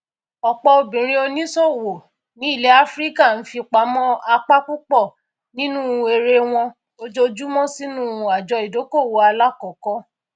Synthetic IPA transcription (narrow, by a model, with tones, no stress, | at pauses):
ɔ˨k͡pɔ˧o˧bĩ˨ɾ̃ĩ˦o˧nĩ˦so˦˨wo˨ | nĩ˨˦i˦˨le˨˦a˦fɾi˦ka˦˨n̩˦fi˧k͡pa˨˦mɔ̃˦a˧k͡pa˦k͡pu˦k͡pɔ˦˨ | nĩ˦nũ˦˧e˧ɾe˧w̃ɔ̃˧ | o˧d͡ʒo˧d͡ʒu˦mɔ̃˦si˦nũ˦˨˧a˨d͡ʒɔ˧i˨do˨˦ko˦˨wo˧˦a˧la˦kɔ˨kɔ˦